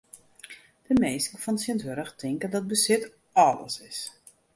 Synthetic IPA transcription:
d̥əmeːsɪŋfɔnsjəntʋøɾəxtʰɪŋkəndɔt̚bəsɪt | ɔlə̰sɪs

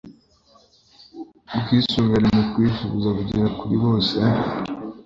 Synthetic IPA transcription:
bɡiːsuːmveɾemukwiʃuβuzakuɟiɾakuɾiβo̞ːse

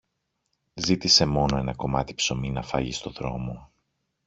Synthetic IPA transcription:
zit̪ise̞mo̞no̞e̞nɐko̞mɐt̪i̥pso̞minɐfɐ̰ʝist̪o̞ðɾo̞̰mo̞

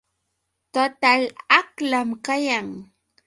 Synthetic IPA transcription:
t̪ot̪alaklamkajaŋ

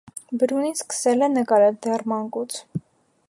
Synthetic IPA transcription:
bəɾuniskə̥sɛlɛnəkɑɾɛld̪ɛrmɑŋkut͡sʰ

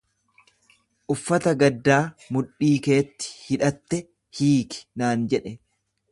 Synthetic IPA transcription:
ʔʊfːɐt̪ɐɡɐd̪ːaːmʊᶑːiːke̞ːt̪ːɪ̥hɪᶑɐt̪ːɛ | hiːkɪ̥naːnd͡ʒɛᶑɛ

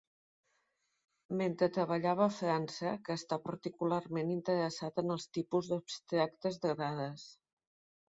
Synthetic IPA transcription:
ment̪ɾət̪ɾəβ̞əʎaβəːfɾansəkəːst̪apəɾt̪ikulaɾmenint̪əɾəsat̪ənəlˠst̪ipuzðupst̪ɾak̚t̪əzðəɣɾaðəs

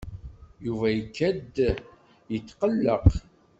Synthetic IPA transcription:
juvæjəkʰːæd̪ | jət̪ːqəlːəq

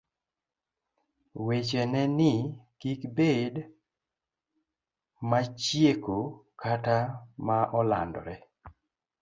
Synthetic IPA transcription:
wet͡ʃɛnɛnɪkikbed | mat͡ʃjekokatamaʔɔla̰ndɔ̰ɾɛ

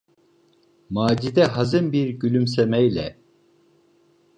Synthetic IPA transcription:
maːd͡ʒid̪ɛɦazɯnbiɾɟylʲyms̬emɛjlʲɛ̰

